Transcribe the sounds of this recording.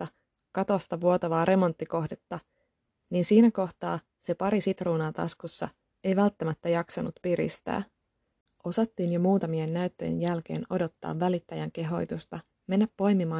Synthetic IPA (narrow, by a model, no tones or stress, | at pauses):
ɑ | kɑt̪ost̪ɑʋuo̞t̪ɑʋɑːɾʔe̞mo̞nt̪ːiko̞hdet̪ːɑ | niːnsiːnæko̞ht̪ɑː | se̞pɑɾisit̪ruːnɑt̪ɑ̰skusːɑ̰ | e̞jʋælt̪ːæmæt̪ːæjɑksɑnut̪piɾḭst̪æ̰ː | ʔo̞sɑt̪ːiːnjo̞muːt̪ɑmienːæyt̪ːøjḛnjælk̟e̞̰ːno̞do̞t̪ːɑ̰ːʋːælit̪ːæjæŋk̟e̞ɦo̞jt̪ust̪ɑ | me̞nːæpːo̞jmimɑː